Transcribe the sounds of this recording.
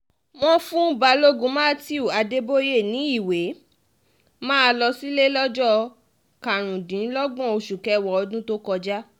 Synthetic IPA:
w̃ɔ̃˦fũ˦ba˧lo˦ɡũ˦mã˦ti˦u˦˨a˧de˦bo˦je˦˨nĩ˨˦i˦˨we˨˦ | mãː˦˧lɔ˧si˦le˦lɔ˦d͡ʒɔ˦ | ka˨ɾ̃ũ˨dĩ˨˦lɔ˦ɡɔ̃˦˨o˧ʃu˨kɛ˨˦˨wɔ˨ɔ˧dũ˦to˦kɔ˧d͡ʒa˦

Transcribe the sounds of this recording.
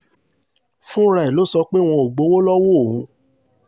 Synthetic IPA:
fũ˦ɾa˧˨i˨lo˦sɔ˧k͡pe˦w̃ɔ̃˧o˨ɡ͡bo˨˦wo˦lɔ˦wo˦˨˦

